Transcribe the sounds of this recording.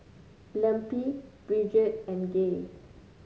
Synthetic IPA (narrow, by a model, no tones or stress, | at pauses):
lɛ̃mpib̥ɹid͡ʒət̚ɛ̃nɡe